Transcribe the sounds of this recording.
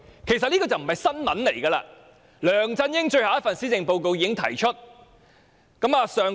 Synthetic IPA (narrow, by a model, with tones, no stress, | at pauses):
kʰe˨˩jsɐ˨t̚liː˥kɔː˧˩t͡sɐ˨m̩˨˩hɐ˨jsɐ˥nmɐ˨˥nle˨˩jkɐː˧la̰ː˧ | lœː˨ŋt͡sɐ˧njɪ˥ŋt͡ʃɵ˧ɥha˨˦jɐ˥t̚fɐ˨nsiː˥t͡sɪ˨˧ŋpo˧wko˧wjiː˨˧kɪ˥ŋt̪ʰɐ˨˩jt͡ʃʰɵ˥t̚ | kɐ˨˥maː˨˧sœː˨ŋ